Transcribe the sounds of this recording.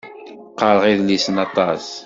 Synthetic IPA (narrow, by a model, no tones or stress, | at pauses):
qːɑɾʁiðlisnɑt̪ˤɑs